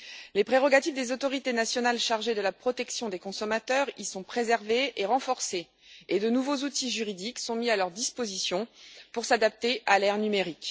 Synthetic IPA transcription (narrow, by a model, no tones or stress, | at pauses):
lepχeʁɔɡat̪ifd̪ezot̪ɔʁit̪enasjɔnalʃaʁʒed̪əlapχɔt̪ɛksjɔ̃d̪ekɔ̃sɔmat̪œʁisɔ̃pχezɛʁveʔeʁɑ̃fɔʁse | ed̪ənuvozut̪iʒyʁid̪iksɔ̃mialœʁd̪ispozisjɔ̃puʁsad̪ap̚t̪eʔalɛʁnymeʁik